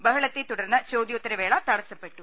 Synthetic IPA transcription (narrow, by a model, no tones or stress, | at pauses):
bɐɦɐɭɐt̪ːet̪ːuɽɐɾnːɐt͡ɕoːd̪jot̪ːɐɾɐʋeːɭɐt̪ɐɽɐsɐpːeʈːu